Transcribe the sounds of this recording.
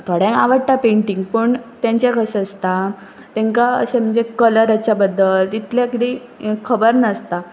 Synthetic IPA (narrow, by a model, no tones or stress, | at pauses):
t̪ʰoɽjɛ̃ŋkaʋəɽʈ̪apeɳʈiŋɡ̚pəɳt̪jãɲt͡ɕjakəɕəst̪a | t̪ɛ̃ŋkaə̰ɕẽm̤əɲd͡zekələɾat͡ɕjabəd̪ːəlt̪it̪ljakid̪i | kʰəbəɾnəst̪a